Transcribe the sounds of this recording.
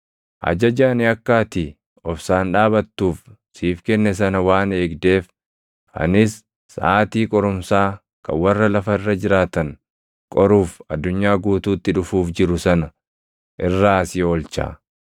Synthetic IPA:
ʔɐ̰d͡ʒɐd͡ʒanɪɐkːaːt̪ɪ | ɔfsaːnᶑaːβɐt̪ːuːf | siːfkɛnːɛs̬ɐnɐwaːne̞ːɡd̪e̞ːf | ɐ̰nɪsː | ʔaːt̪iːkʼɔɾʊmsaː | kʰɐ̰wɐrːɐlɐfɐɪrːɐd͡ʒɪɾaːt̪ɐŋ | kʼɔɾuːfɐ̰d̪ːʊɲːaːɡuːt̪uːt̪ːɪᶑʊfuːfd͡ʒɪɾʊsɐnɐ | ʔɪrːaːɐsɪo̞ːlt͡ʃa̰ː

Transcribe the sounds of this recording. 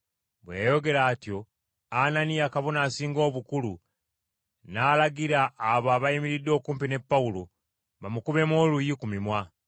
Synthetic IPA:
βwḛjo̞ɡe̞ɾaːtjo̞ | ananijakaβonaːsiːŋɡo̞ːβukulu | naːlaɡiɾaːβaːβaimiɾidːo̞ːkuːmpine̞pːaulo | βamukuβe̞mo̞ːlujikumimwa

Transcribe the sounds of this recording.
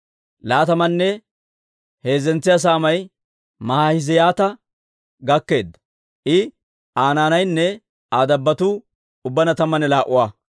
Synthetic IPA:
laːt̪ɐmɐnːɛ | heːzɛnt͡sːɪjas̬aːmɐj | mɐhajɪzɛjaːt̪ɐ | ɡɐkːe̞ːd̪ːɐ̥ | ʔɪ | ʔaːnaːnɐjnːɛ | aːd̪ɐbːɐt̪uː | ʊbːɐnɐt̪ɐmːɐnɛlaːʔʊwaː

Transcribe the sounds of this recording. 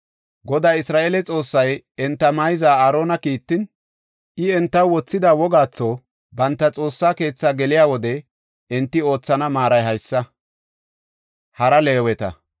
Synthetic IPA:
ɡɔd̪aːɪsɾaːʔeːlɛt͡sʼo̞ːsːɐj | ɛnt̪ːɐmɐjzaːɐɾo̞ːnɐkiːt̪ːɪn | ʔɪɛnt̪ːɐwwɔt͡sːɪd̪aːwɔɡaːt͡sːo | bɐnt̪ːɐt͡sʼo̞ːsːaːke̞ːt͡sːaːɡɛlɪjaːwɔd̪ɛ | ɛnt̪ːɪo̞ːt͡sːɐnɐmaːɾɐjɦɐjsːɐ | hɐɾɐle̞ːwɛt̪ɐ̰

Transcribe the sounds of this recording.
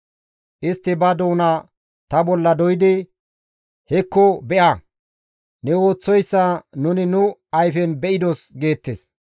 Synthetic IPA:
ʔɪst̪ːɪbɐd̪o̞ːna | t̪ɐbɔlːɐd̪ɔjɪd̪ɪ | hɛkːɔbɛʔa | nɛwo̞ːt͡sːɔjsːɐnʊnɪnʊɐjfɛnbɛʔɪd̪osɡe̞ːt̪ːes

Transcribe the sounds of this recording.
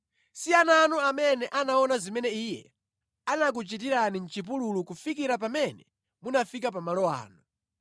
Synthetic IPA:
siananuamɛnɛʔanaɔnazimɛnɛiːjɛ̰ | anak̬ut͡ʃit̬iɾanin̩t͡ʃip̬ululukufikiɾap̬amɛnɛ | munafik̬ap̬amalɔa̰ːnu

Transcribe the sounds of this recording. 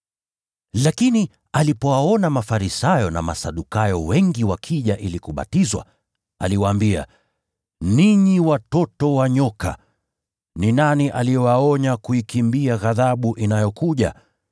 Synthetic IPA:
lakini | alipɔwaɔnamafaɾisajɔna̰ma̰saɗukajɔwɛŋɡiwakʰiʄaʔilikuɓa̰tizwa̰ | a̰liwaːmbia̰ | niɲiwatɔtɔwaɲɔka̰ | ninaniʔalijɛwaɔɲakuikimbiaɣaðaɓuʔinajɔkuʄa̰

